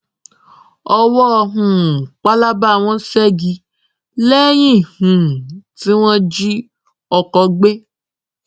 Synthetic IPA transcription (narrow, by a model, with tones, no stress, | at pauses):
ɔ˧wɔ˦˧ɦũ˨k͡pa˦la˦ba˦a˨w̃ɔ̃˦sɛ˦ɡi˧ | lɛ˦j̃ĩ˦˨hũ˨ti˦w̃ɔ̃˦d͡ʒi˦ | ɔ˧kɔ˧ɡ͡be˦